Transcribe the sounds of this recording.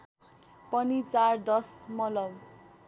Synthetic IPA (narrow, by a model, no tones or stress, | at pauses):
pʌnit͡sard̪ʌsmʌlʌm